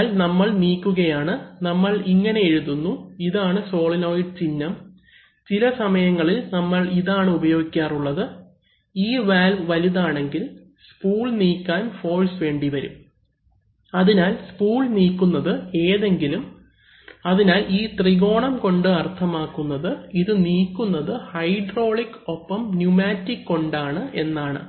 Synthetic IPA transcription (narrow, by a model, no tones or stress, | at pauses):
lnɐmːɐɭniːkʲːuɣɐjaːɳɨnɐmːɐɭiŋːɐne̞eɻuðunːuiðaːɳɨso̞ːɭino̞ːjiɖ̚t͡ɕinːɐm | t͡ɕilɐsɐmɐjɐŋːɐɭilnɐmːɐɭiðaːɳɨubɐjo̞ːɡikʲːaːruɭːɐðɨ | iːʋaːlmʋɐliðaːɳe̞ŋɡil | spuːɭniːkʲːaːnfo̞ːlsʋe̞ːɳɖiʋɐɾṵm | ɐðinaːlspuːɭniːkːunːɐðɨe̞ːðe̞ŋɡilum | ɐðinaːlʔiːt̪riɣo̞ːɳɐmko̞ɳɖɨɐrt̪ʰɐmaːkːunːɐðɨiðɨniːkːunːɐðɨhɐjɖro̞ːɭikːo̞pːɐmnjumaːtːikːo̞ɳɖaːɳɨʔe̞nːaːɳɨ̰